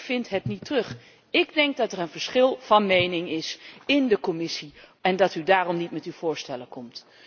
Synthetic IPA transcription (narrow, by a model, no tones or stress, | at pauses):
fɪntɦɛtnitrɵχ | ɪɡdɛŋk̚dɑtɛrənvəɹsχɪlˠv̥ɑnmejnɪŋɪsɪndəkɔmɪsiɛndɑtydaːrɔmnitmɛtywv̥ʊːɹstɛləkɔmt